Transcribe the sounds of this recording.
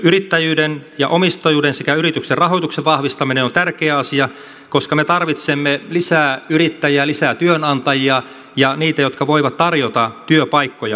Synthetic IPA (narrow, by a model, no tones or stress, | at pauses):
yrit̪ːæjyːdenjɑ̰ʔomist̪ɑjuːdensekæyrit̪ykserrɑɦot̪ukseʋʋɑhʋist̪ɑminenont̪ærkeæɑsiɑ | koskɑmet̪ɑrʋit̪semːelisæːyɾit̪ːæjælisæːt̪yønɑnt̪ɑjiɑ | jɑniːt̪æjot̪kɑʋoiʋɑt̪t̪ɑrjot̪ɑt̪yøpɑikːojɑ